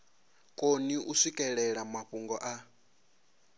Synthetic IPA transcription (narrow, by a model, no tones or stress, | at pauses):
kʼoniʔusʷikʼɛɺɛɺamaɸuŋɡɔʔa